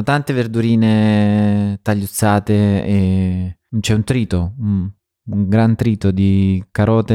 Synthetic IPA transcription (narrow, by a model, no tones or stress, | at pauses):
t̪ant̪everd̪uɾiːne | t̪aʎːut̪sːaːt̪ee | t͡ʃɛunt̪ɾiːt̪o | uŋɡɾant̪ɾiːt̪od̪ikaɾɔːt̪e